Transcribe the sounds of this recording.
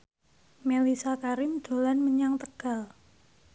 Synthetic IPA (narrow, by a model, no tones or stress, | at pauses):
melisakaɾɪmd̪̥o̤lanməɲaŋt̪əɡ̥a̤l